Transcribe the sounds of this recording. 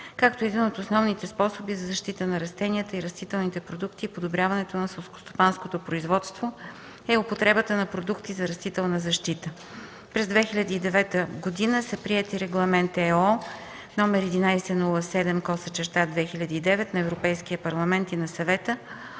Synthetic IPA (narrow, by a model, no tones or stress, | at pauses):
kak̚t̪oɛd̪inot̪osnɔvnit̪ɛspɔsobizɐzɐʃt̪it̪ənɐɾɐst̪ɛniət̪əiɾɐst̪it̪ɛlˠnit̪ɛpɾod̪ukt̪iːpod̪obɾʲjavɐnɛt̪onɐsɛlˠsko̥st̪o̥panskot̪opɾoizvɔt̪st̪vo | ɛopot̪ɾɛbət̪ənɐpɾod̪ukt̪izɐɾɐst̪it̪ɛlˠnəzɐʃt̪it̪ə | pɾɛzd̪vɛxilʲɐd̪iːd̪ɛvɛt̪əɡod̪inəsəpɾiɛt̪iɾɛɡlˠɐmɛnt̪ɛɔ | nɔmɛɾɛd̪inajsɛnulˠəsɛd̪ɛmkɔsət͡ʃɛɾt̪ad̪vɛxilʲɐd̪iːd̪ɛvɛt̪nɐɛvɾopɛjskiəpɐɾlˠɐmɛnt̪inɐsɐvɛt̪ə